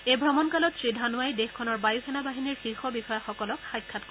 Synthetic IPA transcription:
ejbʱɹɔmɔnkalɔtsɹidʱanʊajdexkʰɔnɔɹbajuxʰɛnabaɦiniɹxixɔbixɔjaxɔkɔlɔkxajkʰːatk

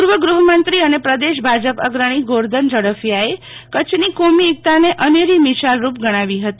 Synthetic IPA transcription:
puɾʋəɡɾuɦəmənt̪ɾiənepɾəd̪eʃbʱad͡ʒəpə̰ɡɾəɽ̃iɡoɾd̪ʱənd͡ʒəɽəfjae | kət͡ʃʰnikomiːk̚t̪aneʔəneɾimisalɾupɡəɽ̃aʋiɦət̪i

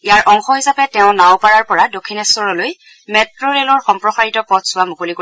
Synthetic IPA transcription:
ijaɹʔɔŋxɔɦisapɛtɛʊ̃nawpaɹaɹpɔɹadokʰːinɛsɔɹɔloj | mɛtɹoɹelɔɹxɔmpɹɔsaɹitɔpɔtʰsʊwamukoliko

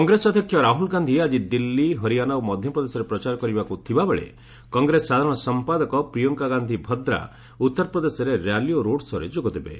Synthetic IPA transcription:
kkɔŋɡɾesɔd̪ʱjɔkʰjɔɾaɦulɡand̪ʱiad͡ʒid̪ilːiɦɔɾianawmɔd̪ʱjɔpɾɔd̪esɔɾepɾɔt͡ʃaɾɔkɔɾibakut̪ʰibabeɭḛ | kɔŋɡɾesːad̪ʱaɾɔɽ̃ɔsɔmpad̪ɔkɔpɾijɔŋkaɡand̪ʱibʱɔd̪ɾa̰ | ut̪ːɔɾɔpɾɔd̪esɔɾeɾjalijoɾoɽsɔɾed͡ʒoɡɔd̪ibḛ

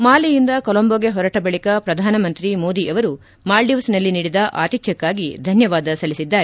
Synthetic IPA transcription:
maːlijind̪ɐkɔlɐmboɡe̞ɦɔɾɐʈɐbɐɭikɐpɾɐd̪ʱaːnɐmɐnt̪ɾimoːd̪iʔɐʋɐɾu | maːlɖiʋɐsnɐlːiniːɽid̪ɐʔaːt̪it̪ʰjɐkːaːɡid̪ʱɐnjɐʋaːd̪ɐsɐlisid̪ːaːɾe

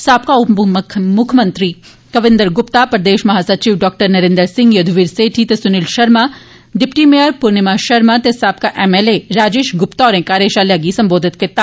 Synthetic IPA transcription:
saːpkaʊmʰmʊkʰmɐnt̪ɾi | kɐʋɪ̃nd̪əɾɡʊpt̪apɾd̪eːʃmɐɦaːsɐt͡ʃiːʋɖɔːk̚ʈəɾnɐɾẽnd̪əɾsɪ̃ŋɡjɐd̪ʱuʋiːɾseːʈʰit̪esʊnɪlʃɐɾma | ɖɪpʈimeəɾpʊɾnɪmaʃɐɾmat̪esaːp̚kaʔeːmeleɾaːd͡ʒeːʃɡʊpt̪aɔːɾɛ̃ːkaːɾeːʃalɐɡisɐ̃mboːd̪ʱɪt̪kɪɾt̪a

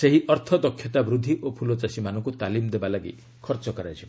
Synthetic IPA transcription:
seɦiʔɔɾt̪ʰɔd̪ɔkʰːjɔt̪abɾud̪ʱːiʔopʰulɔt͡ʃasimanɔŋkut̪alimd̪ebalaɡḭ | kʰɔɾt͡ʃɔkɔɾajt͡ʃʰib

